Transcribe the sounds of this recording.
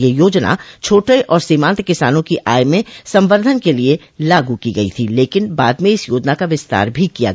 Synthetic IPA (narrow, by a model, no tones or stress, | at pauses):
jejoːd͡ʒna̰t͡ʃʰoːʈeʔɔːɾsimãːnt̪kɪsaːnõkiʔaːjmẽsɐ̃mʋəɾd̪ʱənkelie | laːɡukiɡɐḭt̪ʰileːkɪnba̰ːd̪mẽɪsjoːd͡ʒnakaʋɪst̪a̰ːɾbʱikija̰